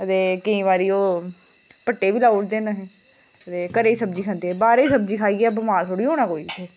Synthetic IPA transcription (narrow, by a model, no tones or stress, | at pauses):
ət̪eːkɪĩːʋaːɾiːoː | pəʈːeːʋiːlaːʊʈd̪eːnaɦẽː | ət̪eːkəɾeːisəbd͡ʒiːkʰə̃nd̪eːɛːbaːɾeiːsəbd͡ʒiːkʰaːiːɛb̬əmaːɾt̪ʰoːɽiːoːɽ̃aːkoːiːt̪ʰeː